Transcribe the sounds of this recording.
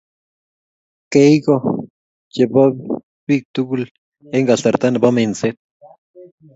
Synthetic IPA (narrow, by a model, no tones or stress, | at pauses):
keiko | jepa | βik̚t̪ukul | eŋɡaɬt̪aɾt̪anapament͡set̪̚